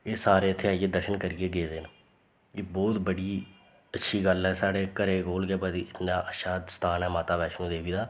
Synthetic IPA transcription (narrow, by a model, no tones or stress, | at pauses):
eːsaːɾeːɪt̪ʰːeːaːiːeːd̪əɾʃənkəɾiːeːɡeːd̪eːn | eːbɔːt̪bəɽiː | ətːʃʰiːɡəlɦɛːsaːɽeːkəɾeːɡoːlɡeːbaːd̪iːɪt̪naːʔəʃaːst̪ʰaːnɛːmaːt̪aːbɛːʃnũːd̪eːʋiːd̪aː